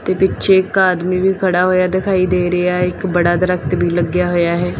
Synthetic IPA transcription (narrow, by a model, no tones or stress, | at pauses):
t̪eːpɪtːʃʰeɪkaːd̪miːbiːkʰəɽaːɦoːjaːd̪ɪkʰaːid̪eːɾəjaːɪkbəɽaːd̪əɾək̚t̪bʱiːləɡjaːɦojaːɦɛː